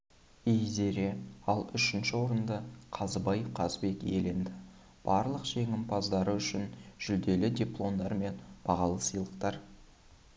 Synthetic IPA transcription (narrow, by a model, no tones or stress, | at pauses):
ejze̞ɾe̞ɑlˠʏʃɪnʃɪwo̞ɾənd̪əqʰɑzəbɑjqʰɑzbe̞ke̞̰le̞nd̪ɪ | b̥ɑɾlˠəqʒ̥e̞ŋɪmpʰɑzd̪ɑɾəʏʃɪnʒ̥ʏld̪e̞lɪd̪ʲiplˠo̞nd̪ɑɾme̞nb̥ɑʁɑlˠəsijlˠəqt̪ɑɾ